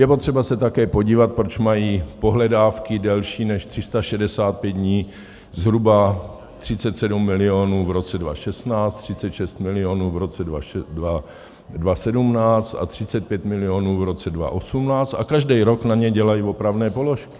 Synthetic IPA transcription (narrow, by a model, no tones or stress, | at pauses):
jɛpo̞t̪r̝̥ɛbasɛt̪akɛːpo̞ɟiːvat̪̚pɾot͡ʃmajiːpo̞ɦlɛdaːfkɪdɛlʃiːnɛʃt̪r̥ɪst̪aʃɛdɛsaːt̪̚pjɛd̪dɲiː | zɦɾuba | t̪r̝̥ɪt͡sɛt̪sɛdumːɪlɪo̞nuːvɾo̞t͡sɛdva̰ʃɛst̪naːt͡st̪ːr̥ɪtt͡sɛt̪ʃɛst̪mɪlɪo̞nuːvɾo̞t͡sɛa̰a | dvasɛdumnaːt͡st̪ʔa̰t̪r̥ɪt͡sɛt̪̚pjɛt̪mɪlɪonuːvɾo̞t͡sɛdva̰ʔo̞sumnaːt͡st̪akaʒdɛjɾo̞knamɲɛɟɛlajivo̞pɾavnɛːpo̞lo̞ʃkɪ̥